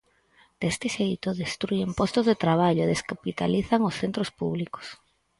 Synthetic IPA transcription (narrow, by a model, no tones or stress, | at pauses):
d̪̥est̪ɪʃeðjt̪oðest̪ɾuempɔst̪ozðet̪ɾaβ̞aʎoeðeskapit̪aliθaŋosθent̪ɾospuβ̞liko̥s